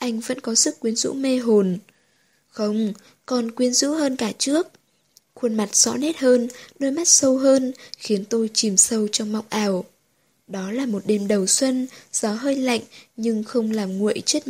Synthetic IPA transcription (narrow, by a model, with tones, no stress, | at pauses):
ʔa˧jŋ̟və̰˧˥nkɔ˨˦zɨ˦˥kkːwi˨˦ənzṵ˧˥me˧ɦo˨˩n | xə˧wŋ͡m | kɔ˨˩nkwi˧ənzṵ˧˥ɦəː˧nkaː˧˩t͡ɕɨ˦˥ək̚ | xwə˧nma˨˩t̚z̥ɔ̰˧˥ne˦˥t̚həː˧nɗoː˧jma˦˥t̚sə˧wɦəː˧nxi˨˦ənt̪o˧jt͡ɕi˨˩msə˧wt͡ɕɔ˧wŋ͡mma˨˩wk͡p̚ʔaː˨˩w | ɗɔ˨˦laː˨˩mo˨˩t̚ɗe˧mɗə˨˩wswə˧nz̥ɔ˨˦ɦəː˧jla̰˧˨jŋ̟ɲɨ˧ŋxə˧wŋ͡mlaː˨˩mŋṵ˧˨əjt͡ɕe˦˥t̚